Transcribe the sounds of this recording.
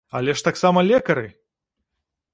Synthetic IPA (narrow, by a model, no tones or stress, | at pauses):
ɐlʲɛʂt̪aksamɐlʲɛkɐɾɨ